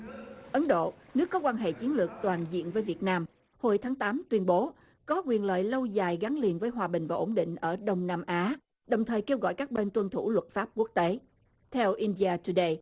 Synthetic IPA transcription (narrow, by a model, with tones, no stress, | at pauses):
ʔə˨˦nɗo̰˧˨nɨ˦˥əkːɔ˨˦kwaː˧nɦḛ˧˨t͡ɕi˨˦ənlɨ˨˩k̚t̪waː˨˩nzḭ˧˨ənvəː˨˦jvi˨˩ət̚naː˧m | ho˧jt̪ʰaː˨˦ŋt̪aː˨˦mt̪wi˧ənɓo˨˦ | kɔ˨˦kwi˨˩ənlə̰ː˧˨jlə˧wzaː˨˩jɣa˨˦ŋli˨˩ənvəː˨˦jɦwaː˨˩ɓï˨˩ŋ̟vaː˨˩ʔo˧˩nɗḭ̈˧˨ŋ̟ʔəː˧˩ɗə˧wŋ͡mnaː˧mʔaː˨˦ | ɗə˨˩wŋ͡mt̪ʰəː˨˩jke˧wɣɔ̰˧˨jkaː˦˥k̚ɓe˧nt̪wə˧nt̪ʰu˧˩lwə˨˩t̚faː˦˥p̚ku˦˥k̚t̪e˨˦ | t̪ʰɛ˧wʔi˧nɗi˧aː˧t͡ɕu˧ɗə˧j